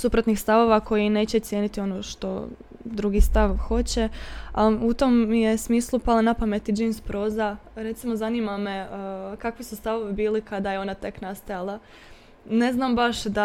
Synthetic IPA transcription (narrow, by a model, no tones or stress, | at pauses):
supɾot̪nixst̪aʋo̞ʋako̞jine̞ːt͡ɕet̪sjeːnit̪io̞noʃt̪o̞̰ | d̪ɾuɡist̪aʋxo̞t͡ɕeaut̪o̞mje̞smiːslˠupalˠanapame̞t̪id͡ʒejnspɾo̞ːzaɾe̞t̪simo̞zaniːmame̞kakʋisust̪aʋo̞ʋibiːlikad̪ajeo̞nat̪e̞knast̪ajalˠa | ne̞znambaʃd̪a